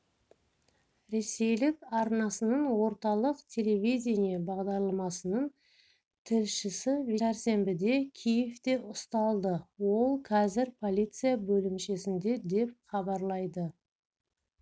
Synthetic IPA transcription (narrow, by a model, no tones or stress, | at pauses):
ɾe̞se̞jlɪkɑɾnɑsənəɴwo̞ɾt̪ɑlˠəqt̪ʲʰe̞le̞vʲijdʲenijɑbɑʁd̪ɑɾlˠɑmɑsənəɴ | t̪ʰɪlʃɪsɪveæɾse̞mbɪd̪e̞kʲʰijeft̪e̞ʔʊst̪ɑlˠd̪əwo̞lˠqʰɑzɪɾpʰo̞lʲit̪sɨjabɵlɪmʃe̞sɪnd̪e̞d̪e̞p̚χɑbɑɾlˠɑjd̪ə